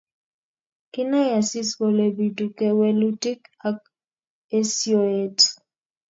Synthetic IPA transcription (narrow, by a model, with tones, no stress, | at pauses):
kɪ˦na˦ja˨si˦sko˨le˨bi˨tu˨kɛ˦we˦lu˦ti˦ka˦k̚ | e˦sjo˦˨e˨t